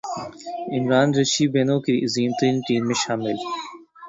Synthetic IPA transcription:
ɪmɾaːnɾɐʃiːbeːnõːkiʔziːmt̪əɾĩːnʈiːmːẽʃaːmɪl

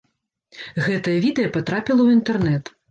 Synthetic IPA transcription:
ɣɛt̪ɐjɐvʲid̪ɛjɐpat̪ɾapʲilˠɐwint̪ɛrnɛt̪

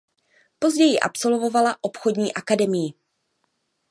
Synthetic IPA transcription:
po̞zɟɛjɪʔa̰pso̞lvo̞valaʔo̞pxo̞dɲiːʔakadɛmɪjɪ

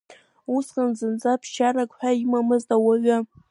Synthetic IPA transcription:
usχanzɨnd͡zapʰʃarakʼħʷᶣaimamɨztʼawaɥa

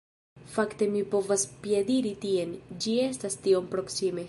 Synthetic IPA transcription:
fakte̞mipo̞vaspjediɾitie̞nd͡ʒie̞stastio̞mpɾo̞ksime̞

